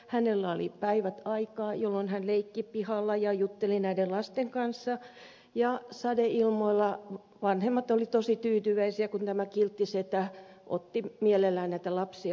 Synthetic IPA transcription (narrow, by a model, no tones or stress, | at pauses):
hænelːæolḭpæiʋæt̪ɑikɑːjolːonhænleikːipihɑlːɑjɑjut̪ːelinæidellɑst̪eŋkɑnsːɑ | jɑsɑdeilmoilːɑ | ʋɑnhemːɑt̪olit̪osit̪yːt̪yʋæisiækunt̪æmækilt̪ːiset̪æ | ʔo̰t̪ːimielelːæːnnæit̪ælɑpsiɑ